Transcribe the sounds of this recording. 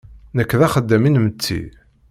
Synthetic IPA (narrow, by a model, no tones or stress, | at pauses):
nəkːðæχəd̪ːæminmət͡sːḭ